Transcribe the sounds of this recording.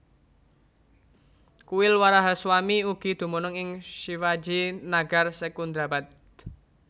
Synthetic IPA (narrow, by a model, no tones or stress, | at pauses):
kuwɪlwaɾaɦaswamiuɡ̥i̤d̪̥ṳmɔnʊŋɪŋʃiwad͡ʒinaɡ̥a̤rsɛkund̪ɾabat̪̚